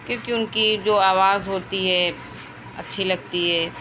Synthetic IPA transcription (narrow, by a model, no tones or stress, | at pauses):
kjõːkiʊnkid͡ʒoːaːʋaːzɦoːt̪iɦɛ | ɐ̰tːʃʰilɐɡ̚t̪iɦɛː